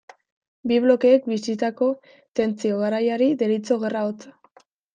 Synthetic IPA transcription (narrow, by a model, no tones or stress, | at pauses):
biβ̞lo̞ke̞ːk̚bisit̪ako̞ | t̪e̞nt͡sio̞ɣ̞aɾajaɾid̪eɾit͡so̞ɣe̞raot͡sḁ